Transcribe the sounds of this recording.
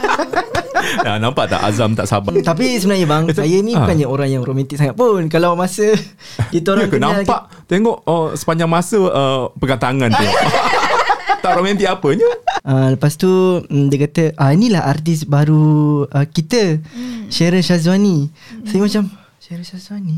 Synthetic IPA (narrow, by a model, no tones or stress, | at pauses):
a̰nampaʔt̪a̰ʔa̰zamt̪a̰ʔsa̰bat̪ap̬isəmbənaɲəbaŋsajəinĩbukanɲaoɾaŋjaŋromɛnt̪ɪk̚saŋat̪̚punkalawmasə | kit̪əoɾaŋkənãmpaʔ | t̪eŋɔʔəsə̥paɲd͡ʒaŋmasəəpəkant̪aŋant̪eŋɔʔʔ | t̪aʔɾomɛ̃nt̪iʔapəɲəaləpast̪udiəkat̪əʔainilaɦʔart̪ɪsbaɾuəkit̪əʃeɾəʃas̬wani | sajəmat͡ʃam | ʃeɾəsasani